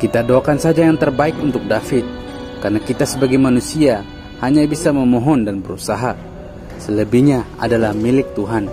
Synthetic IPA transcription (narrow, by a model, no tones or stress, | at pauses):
kit̪adoakansad͡ʒajaŋt̪ərbaɪkunt̪ʊk̚dafɪt̪̚ | karnakit̪asəbaɡajmanusia | haɲabisaməmɔɦɔndanbəɾusaɦa | sələbihɲaa̰dalahmilɪk̚t̪uɦan